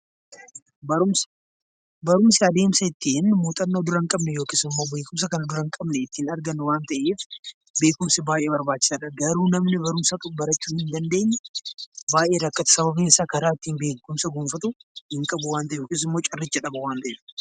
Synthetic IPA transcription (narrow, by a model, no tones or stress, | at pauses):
bɐɾʊms | bɐɾʊmsɪɐd̪e̞ːmsɐɪt̪ːiːnmoːt̪ʼɐnːoːd̪ʊɾɐŋkʼɐbnɛjo̞ːkɪːsɪmːo̞ːbeːkʊms̬ɐkɐnɐd̪ʊɾɐŋkʼɐbnɛɪt̪ːiːnɐɾɡɐnːʊwaːnt̪ɐʔeːf | be̞ːkʊmsɪbaːjʔeːbɐɾbaːt͡ʃːɪ̥sarɐɡɐɾuːnɐmnɪbɐɾʊmsɐt̪ʼʊbɐɾɐt͡ʃːuːhɪnd̪ɐnd̪e̞ːɲːɛbaːjʔe̞ːɾɐkːɐt̪ɐ̥sɐβɐbiːnɪsaːkɐɾaːɪt̪ːiːnbe̞ːkʊmsɐɡʊːmfɐt̪ʊhɪŋkʼɐbʊwaːnt̪ɐʔɛjoːkeːs̬ɪmːoːt͡ʃʼɐrːɪt͡ʃːɐᶑɐbɐwaːnt̪ɐʔeːf